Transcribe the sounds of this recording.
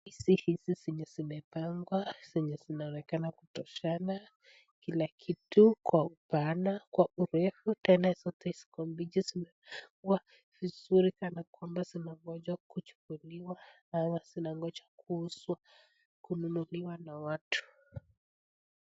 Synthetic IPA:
hisihisisɛɲɛzimɛpaŋɡwasɛɲɛzinaɔnɛkanakutɔʃana | kilakʰitukwaupanakwaʔuɾɛfutɛnasɔtɛisi̥kɔmbid͡ʒizinɛkuwa | v̥izuɾikanakwambasinaŋɡɔd͡ʒakut͡ʃu̥kuliwa | amasinaŋɡɔd͡ʒakuhuswa | kununuliwanawatʰu̥

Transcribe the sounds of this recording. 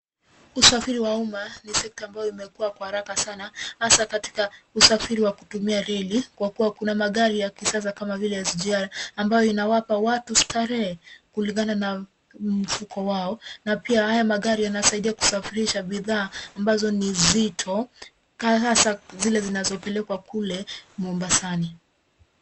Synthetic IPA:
usafiɾiwaumanisɛk̚taːmbajɔimɛkuwakwahaɾakasanahasakati̥kausafiɾiwakutumiaɾɛlikwakuwakunamaɠaɾijakisas̬akamavilɛjaziʄaɾaːmbajɔinawapawatustaɾɛɛkuliŋɡanana | m̩fukɔwaɔnapiahajamaɠaɾijanasaiɗiaku̥safiɾiʃabiðaːmbazɔnizitʰɔ | kaasazilɛzinazɔpɛlɛkwakulɛmɔmbasani

